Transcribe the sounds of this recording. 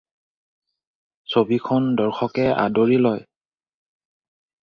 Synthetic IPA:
sobikʰɔndɔɹxʰɔkɛa̰doɹilɔj

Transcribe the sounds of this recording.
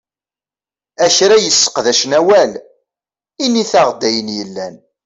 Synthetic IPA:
æçɾæjəsːə̥qðæʃnæwæl | iniθaʁd̪æjənjəlːæn

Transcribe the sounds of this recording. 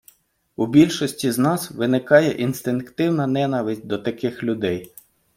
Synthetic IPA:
ubʲilʲʃɔsʲtʲiznɑsʋɪnɪkɑjɛ̰ʔinst̪ɪnkt̪ɪwnɐnɛnɐʋɪsʲt̚ʲd̪ɔt̪ɐkɪxlʲʊd̪ɛj

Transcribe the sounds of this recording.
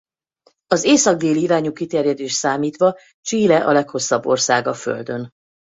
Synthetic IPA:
ɒzeːsɒɡ̚d̪eːliːɾaːɲukit̪ɛrjɛd̪eːʃt̪saːmiːt̪ʋɒ | t͡ʃiːlɛʔɒlɛkho̞sːɒbːo̞rsaːɡɒfø̰ld̪ø̞n

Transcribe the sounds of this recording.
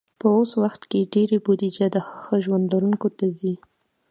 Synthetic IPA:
pəoswaxt̪keɖeɾebud̪id͡ʒad̪əxəxəʒwand̪aɾuŋkot̪azi

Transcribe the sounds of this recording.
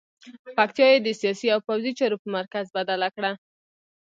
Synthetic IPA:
pakt̪jɑjed̪əsijɑsiawpawzit͡ʃɑɾopəmaɾkazbad̪alakɽa

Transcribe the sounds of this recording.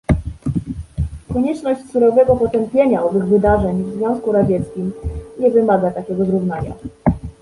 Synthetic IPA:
kɔɲɛt͡ʂnɔɕt͡ɕsuɾɔvɛɡɔpɔt̪ɛmpʲjeɲaɔvɘɣvɘd̪aʐɛɲvzvʲjɔ̃w̃skuɾad͡ʑɛt̪skʲimɲɛvɘmaɡat̪akʲɛɡɔzɾuvnaɲa̰

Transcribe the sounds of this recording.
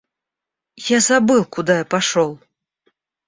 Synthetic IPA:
jazabɨlˠkud̪ajapaʂɔlˠ

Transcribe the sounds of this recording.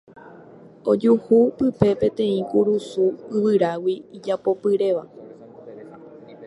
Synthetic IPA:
o̞d͡ʒuhupɨpe̞pẽ̞t̪ẽ̞ĩkuɾusuɨʋɨɾawiːd͡ʒapo̞pɨɾe̞ʋa

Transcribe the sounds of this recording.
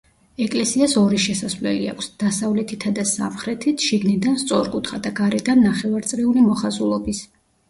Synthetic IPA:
ɛkʼlɛsiasɔɾiʃɛsasvlɛ̰lḭa̰kʷʰsd̪̥asavlɛt̪ʰit̪ʰad̪asa̰mχɾɛt̪ʰit̪ʰʃiɡnid̪anst̪sʼɔɾkʼut̪ʰχad̪aɡaɾɛd̪anːaχɛvaɾt̪sʼɾiulimɔχazulˠɔbis

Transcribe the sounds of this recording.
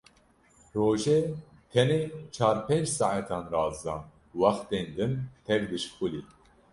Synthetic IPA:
ɾoːʒe | t̪ʰɛneːt͡ʃʰɑːɾpend͡ʒsɑʕat̪ʰɑːnɾɑːzd̪ɑː | wɑxt̪eːnd̪ɨnt̪ʰɛvd̪ɨʃpʰuli

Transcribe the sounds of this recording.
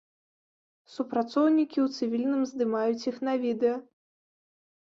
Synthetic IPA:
supɾat̪sɔwnʲikʲiwt̪sɨvʲilʲnɨmzd̪ɨmajut͡sʲixnɐvʲid̪ɛjɐ

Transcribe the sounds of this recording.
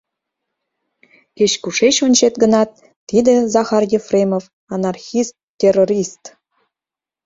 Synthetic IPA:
keɕkuʃeɕonʲt͡ɕet̪ɡə̆nɑt̪ː | id̪ə̆zɑxɑrjefrʲemof | ɑnɑrxist̪ʲːeroɾʲist̪

